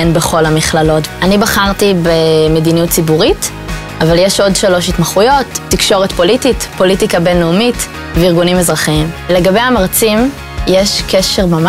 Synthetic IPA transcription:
enbe̞χo̞lamiχlalo̞tanibaχaʁtibemedinijutt͡sibuʁit | avaljeʃo̞dʃalo̞ʃitmaχujo̞tːikʃo̞ʁetpo̞lititpo̞litikabenːoumit | veiʁɡunimezʁaχiimleɡabejamaʁt͡sim | jeʃkʰeʃe̞ʁmam

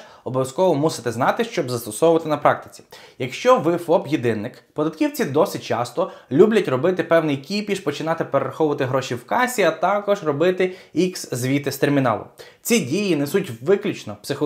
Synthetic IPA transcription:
ɔbɔʋʲjɐskɔʋɔmusɪ̥t̪ɛznɑt̪ɪʃt͡ʃɔbzɐst̪ɔsɔwʊʋɐt̪ɪnɐpɾɑk̚t̪ɪ̥t͡sʲi̥jɐkʃt͡ʃɔʋɪfɔpjid̪ɪnːɪk | pɔd̪ɐt̪kʲiwt͡sʲid̪ɔsɪt̚ʲt͡ʃɑ̰st̪ɔlʲublʲɐtʲrɔbɪt̪ɪpɛwnɪjkʲipʲiʃpɔt͡ʃɪnɑt̪ɪpeɾeɾɐxɔʋʊʋɐt̪ɪɦɾɔʃiwkɑsʲiɐt̪ɑkɔʒrɔbɪt̪ɪikszʋʲit̪ɪst̪ermʲinɑ̰lˠʊ̰ | t͡sʲidʲijinɛsutʲʋɪklʲut͡ʃnɔpsɪxɔ

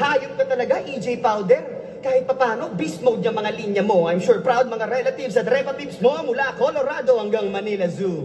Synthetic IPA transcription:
haːjʊnkɐt̪ɐlɐɡaʔid͡ʒɛjpawd̪ɛɾ | kaːhɪt̪̚pɐpaːno̞bismowd̪nɐŋmɐŋalinjɐmo̞ʔɐjmʃuɹpɾawd̪̚mɐŋaɾɛlɐt̪ivsɐt̪ɾɛpɐt̪ipsmomʊlakoloɾad̪o̞hɐŋɡɐŋmɐnilɐzu

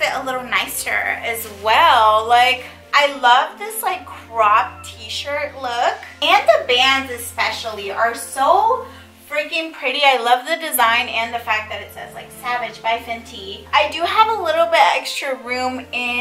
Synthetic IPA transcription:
b̥ɪɾəlɪɾl̩ˠnaɪsə̰˞ɨzwɛlˠlaɪk | ʔaɪlʌvðɪslaɪkʰːɹ̥ɑb̚tʰiʃə˞tˡlʊkɨ̃nðəbæ̃ndzɨspɛʃl̩ˠiʔə˞soʊ | b̥ɹɪ̃kɪ̃ŋpʰɹ̥ɪɾiaɪlʌvðɨdɨzãɪ̃nɨ̃nðɨfæk̚ðɨɾɨtsɛzlaɪksævɨd͡ʒbaɪfɪ̃ntʰiaɪdɨəvəlɪɾl̩ˠbɪɾɛkstɹ̥ɨɹʉ̃mɪ̃

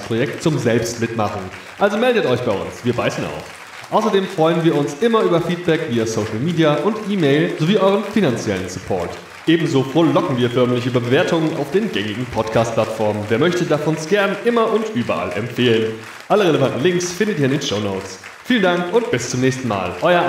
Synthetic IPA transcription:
spʁ̥ojɛk̚tt͡sʊmzɛlpstmɪtma̰χn̩ | ʔalzomɛldətʔɔʏçb̥aɪʔʊ̰nsviːɐbaɪsn̩a̰ʊf | ʔaʊsɐdeːmfʁ̥ɔʏənviːɐʊnsʔɪmɐʔyːbɐfiːt̚b̥ɛkv̥iːasoʊʃl̩miːdiaʔʊntʔiːmeɪlzoviːʔɔʏʁənfinant͡sjɛlənsʊpʰɔ̰ɐt | ʔeːbm̩zoːfoɐlɔkŋ̩viːɐfœɐmlɪçyːbəbəveːɐtʊŋəna̰ʊfd̥eːnɡɛŋɪɡŋ̩pʰɔtkʰaːst̚pʰl̥atfɔɐmənveːɐmœçtədafɔnsɡ̥ɛɐnʔɪmɐʔʊntʔyːbɐʔa̰lɛ̰mfeːlən | ʔaləʁeləvantn̩lɪŋksfɪndətiːɐɪndeːnʃoʊnoːt͡s | fiːləndaŋkʊntb̥ɪst͡sʊmnɛːçstn̩ma̰ːlʔɔʏɐ

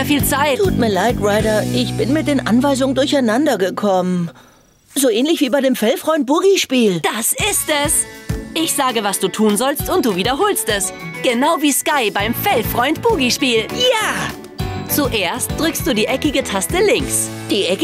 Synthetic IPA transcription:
ɐfiːlt͡saɪttʰuːtmiːɐlaɪtʁaɪɾɐʔɪçb̥ɪnmɪtd̥eːnʔa̰nvaɪzʊŋəndʊɐçaɪnandɐɡəkʰɔmən | zoːʔɛːnlɪçv̥iːbaɪɾeːmfɛlfʁ̥ɔʏnt̚b̥ʊʁiʃpiːld̥asɪstɛsʔɪçz̥aːɡəvasd̥uːtʰuːnzɔlstʊntd̥uːviːdɐɦoːlstɛsɡ̥ənaʊviːskaɪbaɪmfɛlfʁ̥ɔʏnt̚b̥uʁiʃpiːljaː | t͡suʔeːɐst̚d̥ʁʏkst̚d̥uːdiːʔɛkɪɡətʰastəlɪŋks | d̥iːʔɛkə

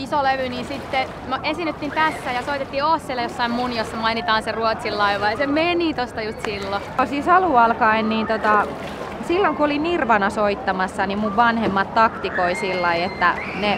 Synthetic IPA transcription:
isoleʋyniːnsit̪ːe | noʔesinːyt̪ːint̪æsːæːjɑsoit̪et̪ːiːosːelːejosːɑimmunjosːɑmɑinit̪ɑːnseruot̪silːɑiʋɑjsemenit̪ost̪ɑjust̪silːo | osiːsɑluɑlkɑinniːnt̪ot̪ɑ | silːoŋkuolinirʋɑnɑsoit̪ːɑmɑsːɑnimmuʋʋɑnhemːɑt̪t̪ɑkt̪ikoisilːɑiet̪ːæ | ne

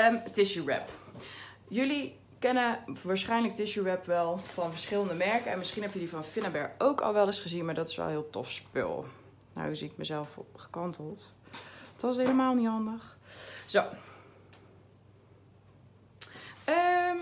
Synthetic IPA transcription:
əmtɪʃuɹɛ̰p | jɵli | kɛnəʋaːɹsχɛjnlək̚tɪʃuɹɛpʋɛlˠvɑnvəɹsχɪləndəmɛɹkəɛnmɪsχinɦɛpjəlivɑnfɪnabɛɹowkɑ̰lˠʋɛlˠɪsχəzinmaːɹdɑtɪsʋɛ̰lˠɦɪːlˠtɔ̰fspɪ̰lˠ | na̰wyzik̚mə̰zɛlˠfχə̥kɑntəlˠt | tɑs̬ɦejləmaːlˠnitɦɑndəχz̥ow | ə

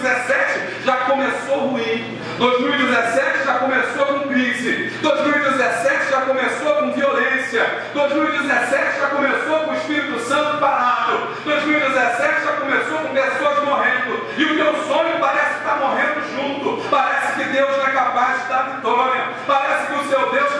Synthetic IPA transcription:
zesɛt͡ʃɪ | ʒakõmesohuĩ | d̪ojzmiwid͡ʒɪzesɛt͡ʃɪʒakõmesokõkɾizɪd̪ojzmiwid͡ʒɪzɛsɛt͡ʃɪʒakõmesokõviolẽsiɐ | d̪̥ojzmiwid͡ʒɪzɛsɛt͡ʃɪʒakõmesokʊ̃ɪʃpiɾit̪ʊsɐ̃nt̪ʊpaɾat̪ʊ | d̪ojzmiwid͡ʒɪzɛsɛt͡ʃɪʒakõmesokõɡ̪esod͡ʒmoɦẽnd̪ʊ | ɪʊkeʊsõɲʊpaɾɛsɪ̥kɪ̥t̪amoɦẽnd̪ʊʒũt̪ʊpaɾɛsɪ̥kɪd̪ewzɛkapajzd͡ʒɪt̪aɾvit̪oɾjɐ | paɾɛsɪ̥kɪʊsewd̪ewʃ

